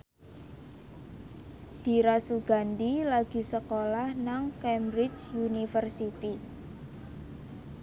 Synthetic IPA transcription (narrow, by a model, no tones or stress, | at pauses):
d̪̥i̤ɾasuɡ̥a̤nd̪ilaɡ̥i̤səkolahnaŋkɛmɾɪt͡ʃunifərsit̪i